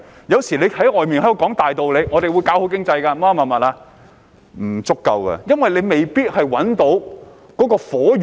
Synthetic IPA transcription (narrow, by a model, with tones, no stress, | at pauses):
jɐ˨˧wsiː˨˩le˨˧jhɐ˨˥jɔː˨jmiː˨nhkɔː˨˥ŋt̪aː˨jt̪o˨wle˨˧jʔɔː˨˧t̪e˨jwu˨˧jkaː˨˥who˨˥wkɪ˥ŋt͡sɐ˧jkaː˧maː˥mɐ˨nmɐ˨t̚laː˧ | m̩˨˩t͡sʊ˥kːɐ̰˧wkɐ̰˧jɐ˥nwɐ˨jle˨˧jme˨jpiː˥t̚hɐ˨jwɐ˨˥nt̪o˨˧˥w | kɔː˨˥kɔː˧fɔː˨˥